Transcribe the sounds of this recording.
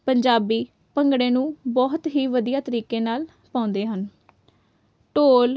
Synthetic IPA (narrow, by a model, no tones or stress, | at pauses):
pəɲd͡ʒaːbiː | pəŋɡɽẽːnũːbɔːɦt̪ɦiːʋəd̪ijaːt̪əɾiːkeːnaːl | pãːʊ̃nd̪eːɦən | ʈoːl